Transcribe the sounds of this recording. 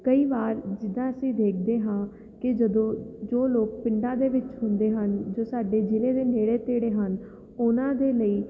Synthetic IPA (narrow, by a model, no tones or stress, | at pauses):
kəiːʋaːɾd͡ʒɪd̪ãːəsĩːd̪eːk̚ʰd̪eːɦãː | kɪd͡ʒəd̪õːd͡ʒoːloːk̚pɪɳɖãːd̪eːʋɪt͡ʃɦʊ̃nd̪eːɦənd͡ʒoːsaːɖeːd͡ʒɪleːd̪eːneːɽeːt̪eːɽeːɦən | ʊnãːd̪eːləiː